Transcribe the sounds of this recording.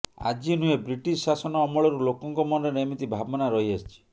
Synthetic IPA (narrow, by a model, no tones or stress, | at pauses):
a̰d͡ʒinuebɾiʈissasɔnɔːmɔɭɔɾulokɔŋkɔmɔneɾeemit̪ibʱabɔnaɾɔɦiast͡ʃʰi̥